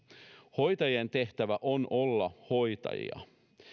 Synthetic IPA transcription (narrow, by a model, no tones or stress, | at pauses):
ho̞jt̪ɑjient̪e̞ht̪æʋæʔo̞nʔo̞lːɑho̞jt̪ɑ̰jḭɑ̰